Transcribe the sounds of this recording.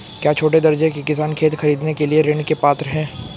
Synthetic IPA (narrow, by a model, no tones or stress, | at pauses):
kjaːt͡ʃʰoːʈed̪ɐɾd͡ʒekikɪs̬aːnkʰeːt̪xɐɾiːd̪nekelieɾeːɳkepaːt̪ɾɦɛ̃ː